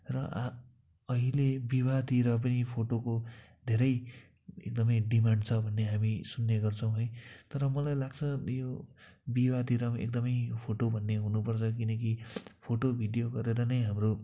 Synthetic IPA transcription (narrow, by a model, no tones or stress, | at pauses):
rʌʔ | ʌɦilebibad̪iɾʌp̬ʌnipʰoʈokod̪ʱeɾʌj | ek̚d̪ʌmʌjɖimaɳɖt͡sʰʌbʱʌnːeɦamisunːeɡʌrt͡sʰʌ̃w̃ɦojt̪ʌɾʌmʌlajlaɡt͡sʰʌjobibad̪iɾʌmḛk̚d̪ʌmʌjpʰoʈobʱʌnːeɦunupʌrt͡sʰʌkinʌkipʰoʈobʱiɖijoɡʌɾeɾʌnʌjɦamro